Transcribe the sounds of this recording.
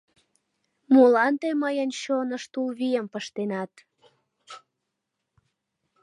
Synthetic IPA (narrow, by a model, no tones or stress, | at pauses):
mulɑnt̪eməjənɕonəʃt̪ulβijəmpəʃt̪enɑt̪